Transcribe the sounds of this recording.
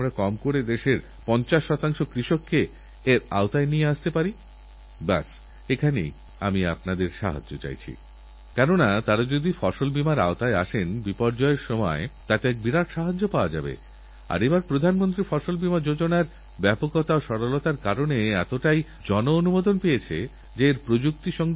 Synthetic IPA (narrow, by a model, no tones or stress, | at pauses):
amɾakɔmkoɽed̪eʃeɾ | pɔnt͡ɕaʃːɔt̪aŋʃokɾiʃokːeː | ɾa̰ot̪aenieaʃt̪epaɾi | ba̰s | ekʰanḛj | a̰mia̰pnad̪eɾʃa̰ɦa̰d͡ʑːot͡ɕa̰jt͡ɕʰḭ | kɛnonat̪aɾad͡ʑod̪ifɔʃolbimaɾa̰ot̪aea̰ʃenbipɔɾd͡ʑɔeɾʃɔmɔ̰et̪at̪eɛk̚biɾaʈʃaɦad͡ʑːopaoad͡ʑa̰bḛ | a̰ɾebaɾpɾod̪ʱanmont̪ɾifɔʃolbimad͡ʑod͡ʑonaɾ | bɛpokot̪aoʃɔɾolot̪aɾkaɾoneɛt̪oʈaj | d͡ʑɔnoonumod̪onpejet͡ɕʰe | d͡ʑeːɾpɾod͡ʑuk̚t̪iʃɔŋ